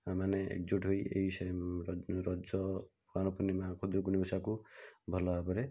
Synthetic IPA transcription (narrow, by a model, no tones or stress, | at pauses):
amaneḛk̚d͡ʒuʈɦojḛɦis | ɾɔd͡ʒɔ | anɔpɔnimakʰod̪ɾukunimɔsakubʱɔlɔabɔɾe